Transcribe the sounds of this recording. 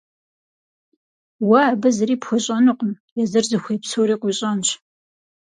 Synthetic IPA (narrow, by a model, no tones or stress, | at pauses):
wɐːbɨzɨɾiːpxʷɔɕʼɐnɨqʷʊm | jɛzɨrzɨxʷejpsoɾiːqʷʊɕʼɐnɕ